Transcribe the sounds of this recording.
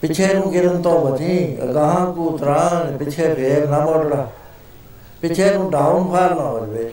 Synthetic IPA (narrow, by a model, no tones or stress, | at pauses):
pɪt͡ʃʰeːnũːɡɪɾənt̪õːbəd͡ʒĩːɡəɦãːkuːt̪ɾãːnpɪt͡ʃʰeːpʰeːɾnamoːɖɽaː | pɪt͡ʃʰeːnũːɖaːʊnpʰaːɾnaːɦoːd͡ʒʋeː